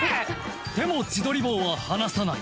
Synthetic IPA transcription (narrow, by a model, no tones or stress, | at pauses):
t̪e̞mo̞t͡ɕid̪o̞ɾʲibo̞ːβahanasanai